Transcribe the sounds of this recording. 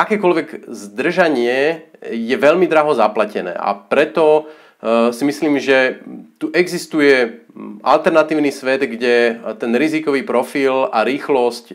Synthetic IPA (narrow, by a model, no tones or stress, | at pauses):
ʔakɛːkɔlʋɛɡzd̪r̩ʒaɲɪɛjɛʋɛʎmid̪ɾaɦɔzaplacɛnɛ̰ːʔa̰pɾɛt̪ɔ | simisliːmʒɛt̪uʔɛɡzist̪ujɛʔa̰lt̪ɛɾnat̪iːʊnisʋɛd̪ɡɟɛt̪ɛnɾizikɔʋiːpɾɔfilaɾiːxlɔsc